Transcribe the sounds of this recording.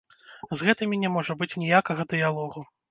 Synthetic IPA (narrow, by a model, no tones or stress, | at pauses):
zɣɛt̪ɨmʲinʲɛmɔʐɐbɨt͡sʲnʲijakɐɣɐd̪ɨjalˠɔɣu